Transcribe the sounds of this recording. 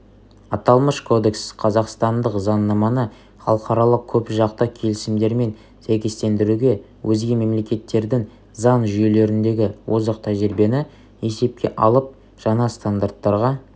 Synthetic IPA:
ɑt̪ɑlˠməʃkʰo̞d̪e̞ksqʰɑzɑqst̪ɑnd̪əqzɑnːɑmɑnə | χɑlˠəqɑɾɑlˠəq̚kʲʰɵpʒɑqt̪əkʲʰe̞lɪsɪmd̪e̞ɾme̞n | sæjkʲe̞st̪e̞nd̪ɪɾuɡʲe̞ | wʔɵzɡʲeme̞mle̞kʲe̞t̪ːe̞ɾd̪ɪŋ | zɑnʒʏje̞le̞ɾɪnd̪e̞ɡʲɪwʔo̞zəqt̪ʰæʒɪɾbe̞nɪ | e̞se̞p̚kʲʰe̞̰ʔɑlˠəp̚ | ʒ̥ɑɴɑst̪and̪aɾt̪ːɑɾʁɑ

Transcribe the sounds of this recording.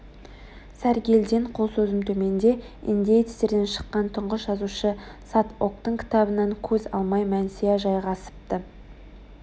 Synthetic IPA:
sæɾɡʲe̞ld̪eɴqʰo̞lˠsɵzɪmt̪ʰɵme̞nd̪e̞ | ḭnd̪ʲejt̪st̪e̞ɾd̪e̞nʃə̥qːɑnt̪ʰʊɴʁəsʒɑzuʃəsat̪ok̚t̪əɴkʲʰɪ̥t̪ɑbənɑŋkʲʰɵzɑ̰lˠmɑjmænseeʒɑjʁɑsə̥p̚t̪ə

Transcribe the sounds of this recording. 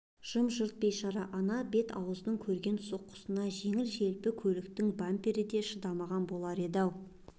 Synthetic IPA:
ʒ̥əmʒʊɾt̪̚bejʃɑɾɑʔɑnɑbe̞t̪ʰɑ̰wəzənəɴkʲʰɵɾɡʲe̞nso̞qːə̥sənɑʒe̞ŋɪlʒe̞lpɪkʲʰɵlɪk̚t̪ɪŋbampʲeɾɪd̪e̞ʃəd̪ɑmɑʁɑnbo̞lˠɑɾe̞d̪ɑw

